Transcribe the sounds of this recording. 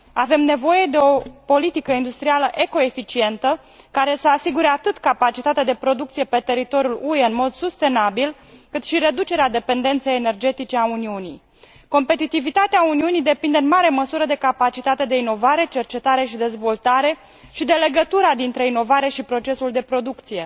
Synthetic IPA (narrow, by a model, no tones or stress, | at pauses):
ave̞mne̞vo̞je̞d̪e̞o̞po̞lit̪ikəind̪ust̪ɾialəʔe̞ko̞e̞fit͡ʃie̞nt̪ə | kaɾe̞səasiɡuɾe̞at̪ɨt̪kapat͡ʃit̪at̪ead̪e̞pɾo̞d̪ukt̪sije̞pe̞t̪e̞ɾit̪o̞ɾjulueɨnmo̞d̪sust̪e̞nabil | kɨt̪ʃiɾe̞d̪ut͡ʃe̞ɾead̪e̞pe̞nd̪e̞nt̪sejene̞rd͡ʒe̞t̪it͡ʃe̞auniunḭj | ko̞mpe̞t̪it̪ivit̪at̪eauniunijd̪e̞pind̪eɨnmaɾe̞məsuɾəd̪e̞kapat͡ʃit̪at̪e̞d̪e̞ino̞vaɾe̞t͡ʃe̞rt͡ʃe̞t̪aɾe̞ʃid̪e̞zvo̞lt̪aɾe̞ | ʃid̪e̞le̞ɡət̪uɾad̪int̪ɾe̞ino̞vaɾe̞ʃipɾo̞t͡ʃe̞suld̪e̞pɾo̞d̪ukt̪sije̞